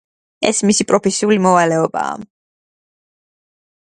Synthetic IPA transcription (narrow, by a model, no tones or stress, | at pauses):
ɛ̰smisipʼɾɔpʰɛsiulimɔvalɛɔba̰ː